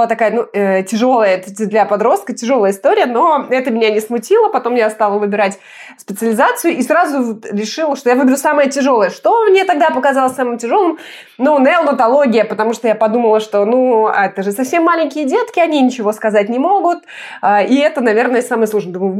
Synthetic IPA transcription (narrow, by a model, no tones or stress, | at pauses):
ɨlˠat̪ɐkajənuətʲɪʐo̞lˠəjət̪ʲd̪lʲɐpɐd̪ɾo̞st̪̚kətʲɪʐo̞lˠəjəɪst̪o̞ɾʲɪjəno̞ɛt̪əmʲɪnʲanʲɪsmʊtʲilˠəpɐt̪o̞mːjast̪alˠəvɨbʲɪɾatʲ | spʲɪt̪sɨəlʲɪzat̪sɨjʊʔisɾazʊɾʲɪʂɨlˠəʂt̪ojavɨbʲɪɾʲusaməjətʲɪʐo̞lˠəjəʂt̪o̞mnʲet̪ɐɡd̪apəkɐzalˠəsʲsamɨmtʲɪʐo̞lˠɨm | nunəlˠnət̪ɐlˠo̞ɡʲɪjəpət̪ɐmuʂt̪ojapɐd̪uməlˠəʂt̪o̞nuɛt̪əʐɨsɐfsʲe̞mːalʲɪnʲkʲɪjədʲet̪kʲɪɐnʲinʲɪt͡ɕɪvo̞skɐzat̚ʲnʲɪmo̞ɡʊt̪ | aiɛt̪ənɐvʲe̞rnəjəsaməjəslˠuʐnəd̪m